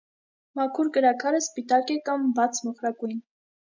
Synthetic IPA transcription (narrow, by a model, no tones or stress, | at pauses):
mɑkʰuɾkəɾɑkʰɑɾəspit̪ɑkɛkɑmbɑt͡sʰmɔχɾɑkujn